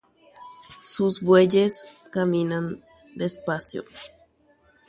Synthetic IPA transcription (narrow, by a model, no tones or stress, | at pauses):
susbweʎeskamĩnan | d̪eːspasjo̰